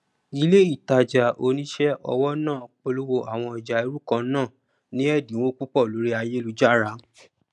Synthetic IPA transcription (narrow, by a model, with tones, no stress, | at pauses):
i˨˦le˦i˦˨ta˧˨d͡ʒa˨ʔo˧nĩ˦ʃɛ˦ʔɔ̰˧wɔ˦nãː˦˨k͡po˧lo˦wo˧ʔa˨w̃ɔ̃˧i˨d͡ʒa˨i˧ɾu˦kã˧˦nãː˦˨ | nĩ˦ɛ˦˨dĩ˨˦wõ˦ku˦k͡pɔ˦˨lo˨˦ɾi˦a˧je˦lu˧d͡ʒa˦ɾa˨˦